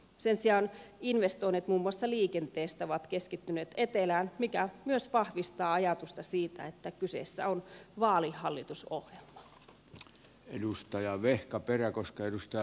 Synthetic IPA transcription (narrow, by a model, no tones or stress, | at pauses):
sensiɑːninʋest̪oinːet̪muːmːuɑsːɑliːkent̪eːst̪æoʋɑt̪keskit̪ːyneːt̪et̪elæːnmikæmyøsʋɑhʋist̪ɑːɑjɑt̪ust̪ɑsiːt̪æet̪ːækysḛˑsːæ̰onʋɑːlihːɑlːit̪usohjelmɑ | edust̪ɑjɑʋehkɑperækoskɑedust̪ɑjɑ